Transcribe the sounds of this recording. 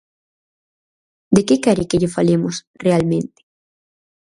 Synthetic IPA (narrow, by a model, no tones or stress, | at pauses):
d̪ekekaɾekeʎefalemos | realmẽnt̪e̥